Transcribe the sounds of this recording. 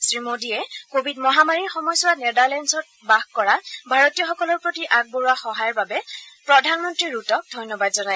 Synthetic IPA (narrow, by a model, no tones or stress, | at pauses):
sɹimodiɛkobʱidmɔɦamaɹiɹxɔmɔjsɔwanedaɹlɛnsɔt̚ | baxkɔɹabʱaɹotijɔxɔkɔlɔɹpɹotiʔaɡ̚boɹuaxɔɦajɔɹbabɛpɹɔdʱanmɔntɹiɹːutɔk̚dʱɔjnɔbadzɔnaj